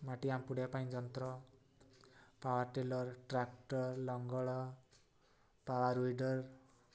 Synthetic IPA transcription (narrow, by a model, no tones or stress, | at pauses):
maʈiampuɽjapaĩd͡ʒɔnt̪ɾɔ | pawaɾʈelɔɾʈɾakʈɔɾlɔŋɡɔɭɔ | pawaɾujɖɔɾ